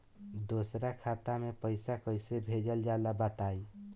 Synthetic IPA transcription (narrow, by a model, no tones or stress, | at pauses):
d̪osɾakʰat̪amepəjsakəɪsebʱed͡ʒəld͡ʒalabat̪aj